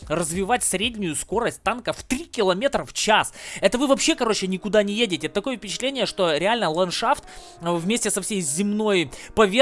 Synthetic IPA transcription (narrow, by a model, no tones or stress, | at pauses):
rəzvʲɪvatʲsɾʲedʲnʲʊjʊsko̞ɾəsʲt̚ʲt̪ːankəft̪ɾʲikʲɪlˠɐmʲe̞t̪ɾəft͡ɕasɛt̪əvɨvɐpɕːe̞kɐɾo̞t͡ɕɪnʲɪkʊd̪anʲɪjedʲɪtʲɪt̪ːɐko̞jəfʲpʲɪt͡ɕɪt̪lʲenʲɪjəʂt̪o̞ɾʲɪalʲnəlˠɐnʂaft̪ | vmʲesʲtʲɪsɐfsʲejzʲɪmno̞jpɐvʲe